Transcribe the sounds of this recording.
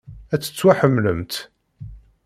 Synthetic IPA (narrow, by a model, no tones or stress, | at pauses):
æt͡sːə̥t͡sːwaħəmːləmt̪